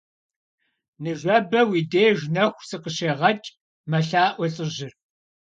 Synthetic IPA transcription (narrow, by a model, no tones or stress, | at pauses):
nɨʒʷɐbɐwiːdeːʒnɐxʷsɨqəɕeːʁɐt͡ʃʼ | mɐɬaːʔʷɔɬʼɨʑɪr